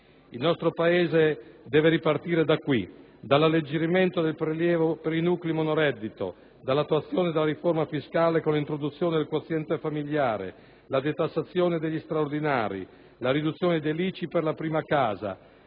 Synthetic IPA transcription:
ilnɔst̪ɾopaeːzed̪ɛːveɾipart̪iːɾed̪akːwi | d̪alːalːed͡ʒːeɾiment̪od̪elpɾeljɛːvopeɾinuːklimonoɾɛd̪ːit̪o̰ | d̪alːat̪ːuat̪sːjoːned̪elːaɾiformafiskaːlekonlint̪ɾod̪ut̪sːjoːned̪elkwot̪sːjɛnt̪efamiʎːaːɾḛ | lad̪et̪asːat̪sːjoːned̪eʎːist̪ɾaord̪inaːɾḭ | laɾid̪ut̪sːjoːned̪elit͡ʃiperlapɾiːmakaːza̰

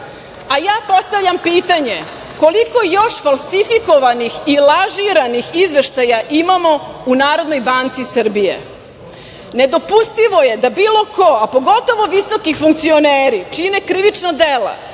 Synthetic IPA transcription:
ajaːpo̞st̪avʎʲampiːt̪aɲe | ko̞liko̞jo̞ʃfalˠsifiko̞ʋanixilaʒiɾanixizʋe̞ʃt̪ajaʔimamo̞unaːɾo̞d̪nojbaːnt̪sisr̩bijḛ | ne̞d̪o̞pust̪iʋo̞je̞d̪abiːlˠo̞ko̞apo̞ɡo̞t̪o̞ʋo̞ʋisokifuŋkt̪sio̞neːɾit͡ʂinekɾiʋit͡ʂnod̪ela̰

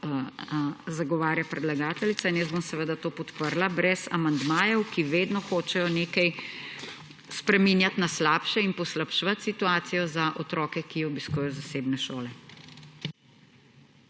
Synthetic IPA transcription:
zaɡɔʋaːɾjapɾɛd̪laɡaːt̪ɛlit̪sainjəzbomsɛʋeːd̪at̪oːpɔt̪pəɾlabɾɛsa̰mand̪maːjɛwkiʋeːd̪nɔxoːt͡ʃɛjɔneːkaj | spɾɛmiːnjat̪naslaːpʃɛinpɔslapʃʋɐt̪sit̪uaːt̪sijɔzaʔɔt̪ɾɔːkɛkiɔbiskuːjɛjɔzaseːbnɛʃoːlɛ

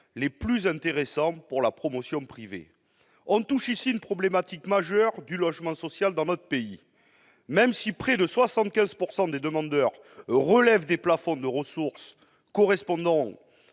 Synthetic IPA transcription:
leplyzɛ̃nt̪eʁesɑ̃puʁlapχɔmɔsjɔ̃pχivḛ | ɔ̃t̪uʃisiynpχɔblemat̪ikmaʒœʁd̪ylɔʒmɑ̃sɔsjald̪ɑ̃nɔt̪χə̥pei | mɛmsipχɛd̪əswasɑ̃t̪̚kʲɛ̃zpuʁsɑ̃d̪ed̪əmɑ̃d̪œʁː | əlɛvd̪eplafɔ̃d̪əʁəsuʁs | kɔʁɛspɔ̃d̪ɑ̃

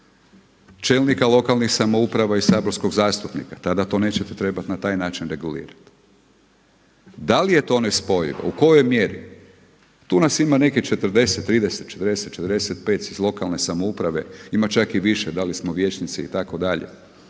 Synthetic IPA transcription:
t͡ʃelnikalo̞kalˠnixsamo̞upɾaʋaisaboɾsko̞ɡzaːst̪upnḭkat̪ad̪at̪o̞ne̞ːt͡ɕet̪et̪ɾe̞bat̪nat̪aːjnaːt͡ʃinɾe̞ɡulḭːɾat̪ | d̪alije̞t̪o̞nespo̞jḭʋo̰uko̞jo̞jmje̞ɾḭ | t̪uːnasimane̞kit͡ʃe̞t̪r̩d̪e̞set̪ːɾiːd̪eset̪̚t͡ʃe̞t̪ɾd̪eset̪t͡ʃe̞t̪əɾd̪eset̪̚pe̞ːt̪sizlˠo̞kalˠne̞samoupɾaʋe̞imat͡ʃakiʋiʃed̪alismo̞ʋje̞ːt͡ʃnit̪siḭt̪ako̞d̪aʎḛ

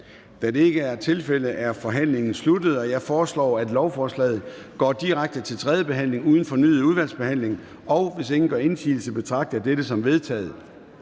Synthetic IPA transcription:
d̥æde̝eɡ̥əæɐt͡sʰe̝lfel̰əʔæɐfɒ̽ɦæn̰le̝ŋn̩slud̥ð̞̩ˠɒ̽jɑ̈ɪfɒːslɒ̰ːæd̥lɒʊfɒːslɛ̰ːð̩ˠ | ɡ̥ɒ̰ːd̥iʁäɡ̥̚d̥ət͡sʰe̝lt͡sʰʁɛð̞ˠjəb̥e̝ɦæn̰le̝ŋuːðˠn̩fɒ̽ny̰ːð̩ˠuð̞ˠʋæl̰sb̥e̝hæn̰le̝ŋ | ɒ̽ʊʋe̝se̝ŋn̩ɡ̥ɶɐe̝nsʰḭːl̩t͡sʰe̝b̥e̝t͡sʰʁɑ̈ɡ̥̚d̥ɐd̥eɾ̥əsɒ̽mʋe̝ð̞ˠt͡sʰɛ̰ːð̞̩ˠ

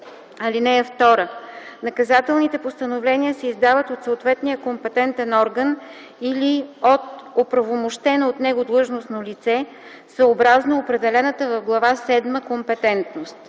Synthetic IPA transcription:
ɐlinɛɛft̪ɔɾənɐkɐzat̪ɛlˠnit̪ɛpost̪ənovlɛnʲiəsɛizd̪avət̪ot̪soot̪vɛt̪nijəkompɛt̪ɛnt̪ɛnɔɾɡən | iliot̪̚opɾɐvomoʃt̪ɛnoot̪nɛɡod̪lˠɤʒnosnolit̪sɛ | səobɾaznoopɾɛd̪ɛlɛnət̪əvɐvɡlˠɐvasɛd̪məkompɛt̪ɛnt̪nost̪

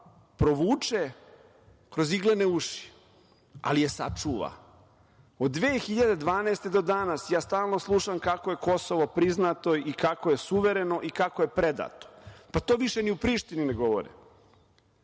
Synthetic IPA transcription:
pɾo̞ʋuːt͡ʂe | kɾo̞ziɡleneuʃi̥ | a̰lijesa̰t͡ʂuʋa̰ | od̪ːʋeːxiʎad̪e̞d̪ʋaːneːst̪e̞d̪o̞d̪anasjaːst̪aːlˠno̞slˠuʃamkakoje̞ko̞soʋopɾiznat̪o̞ikako̞jesuʋeɾeno̞ʔikakoje̞pɾed̪a̰t̪o̥pat̪oʋiʃeniupɾiːʃt̪inineɡo̞ʋo̰ɾḭm

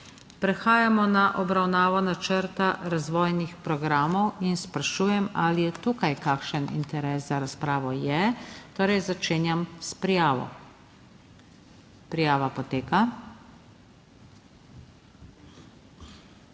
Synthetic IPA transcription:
pɾɛxaːjamɔnaʔɔbɾawnaːʋɔnat͡ʃəɾt̪aɾazʋɔːjnixpɾɔɡɾaːmɔwinspɾaʃuːjɛmalijɛt̪uːkajkakʃənḭnt̪ɛɾɛːszaɾaspɾaːʋɔjɛt̪oːɾɛjzat͡ʃeːnjamspɾijaːʋɔ̰ | pɾijaːʋapɔt̪eːka

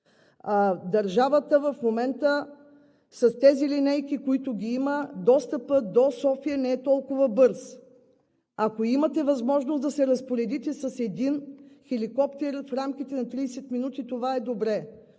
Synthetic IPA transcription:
ad̪ɐɾʒavət̪əvɐfmomɛnt̪ə | sɐst̪ɛzilinɛjkikoit̪ʊɡʲiiməd̪ɔst̪əpəd̪osɔfiənɛɛt̪ɔlˠkʊvəbɤɾs | akoimɐt̪ɛvɐzmɔʒnosd̪ɐsɛɾɐspoɾɛd̪it̪ɛsɐsɛd̪inxɛlikɔpt̪ɛɾfɾamk̟ʲit̪ɛnɐt̪ɾiːsɛt̪minut̪it̪ovaɛd̪obɾɛ

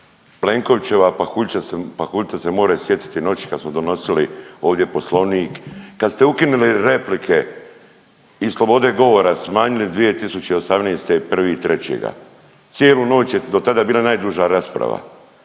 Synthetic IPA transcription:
ple̞ŋko̞ʋt͡ɕe̞ʋapaxuʎsaspaxuʎʲt̪ase̞mo̞ːɾajusje̞t̪i̥t̪ino̞t͡ɕi̥kad̪smod̪o̞no̞silio̞ːʋd̪ʲje̞po̞slˠo̞niːkːad̪st̪e̞ukinuliɾe̞plikʰe̞ | islˠo̞bo̞d̪e̞ɡo̞ʋo̞ɾasmaːɲilid̪ʋije̞t̪isut͡ɕeio̞samneːst̪e̞pr̩ʋiːt̪ɾe̞t͡ɕḛɡa̰ | t̪sje̞ːlˠuno̞ːt͡ɕjed̪o̞t̪ad̪abiːlˠanaːjd̪uʒaɾaspɾa̰ʋa̰

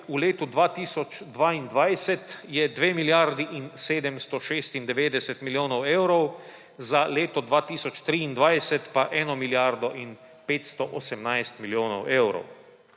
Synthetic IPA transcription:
uleːt̪ud̪ʋaːt̪iːsɔt͡ʃd̪ʋaːind̪ʋajsɛt̪jɛd̪ʋeːmiljaɾd̪iʔinseːd̪ɛmst̪ɔʃeːst̪ind̪ɛʋeːd̪ɛsɛt̪miljoːnɔweːwɾɔw | zaleːt̪ɔd̪ʋaːt̪iːsɔt͡ʃt̪ɾiːind̪ʋajsɛt̪paʔɛːnɔmiljaɾd̪ɔʔin | peːt̪st̪ɔʔɔsɛmnajst̪miljoːnɔwʔeːwɾɔ̰w

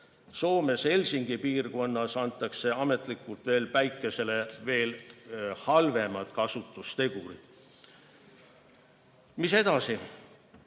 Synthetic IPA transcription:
so̞ːme̞se̞lʲsiŋɡ̥ipiːrɡo̞nːɑsɑnt̪ːˑɑkse̞ɑme̞t̪ˑlikːˑult̪ve̞ːlpæjkˑːe̞se̞le̞ve̞ːlhɑlve̞mɑt̪kɑsut̪ːˑust̪e̞ɡ̥uɾi̥ | mise̞d̪̥ɑsi

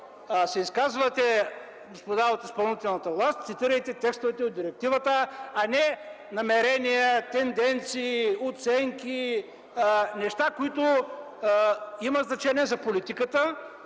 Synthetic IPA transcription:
sɛiskazvət̪ɛ | ɡospod̪aot̪ispɐlˠnit̪ɛlˠnət̪əvlˠast̪̚ʲt̪sit̪iɾəjt̪ɛt̪ɛkst̪ovɛt̪ɛod̪d̪iɾɛk̚t̪ivət̪əɐnɛ | nɐmɛɾɛnijət̪ɛnd̪ɛnt̪siːot̪sɛŋkʲi | nɛʃt̪akoit̪ʊ | imɐznɐt͡ʃɛniɛzɐpolit̪ikət̪ə

